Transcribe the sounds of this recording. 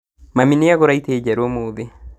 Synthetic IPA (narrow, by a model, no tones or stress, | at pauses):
mamineaɣoɾaiteːd͡ʒɛɾomoðe